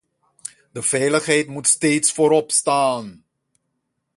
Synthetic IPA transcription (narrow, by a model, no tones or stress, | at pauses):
dəv̥ɛjləχɦɛjtmutsteːtsfoːɾɔpstaːn